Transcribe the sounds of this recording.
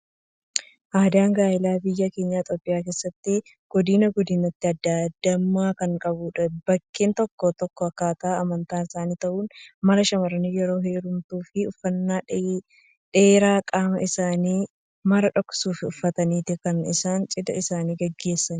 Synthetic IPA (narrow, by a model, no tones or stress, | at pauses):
ʔaːd̪aːŋɡaːɪlaːbɪjːɐke̞ːɲːaːt̪ʼoːpʼɪjaːke̞ːsːɐt̪ːɪ | ɡ̥ɔd̪ɪːnɐɡɔd̪ɪnɐt̪ːɪɐd̪ːad̪ːɐmːaːkɐŋkʼɐbʊᶑɐb̥ɐkːeːnt̪ɔkːoːt̪ɔkːɔɐkːaːt̪ɐaɐmɐnt̪aːnɪsaːniːt̪ɐʔuːnmɐlɐʃɐmɐɾɐnijɛɾo̞ːɦe̞ːɾʊmt̪uːfɪʊfːɐnːaː | ᶑeːɾaːkʼaːmɐ̰ʔɪsaːniː | mɐɾɐᶑɔksuːfɪʊfːɐt̪ɐniːt̪ɪkɐnɪ̰saːnt͡ʃʼɪd̪ɐ̰ɪsaːniːɡɐɡːe̞ːsːɐn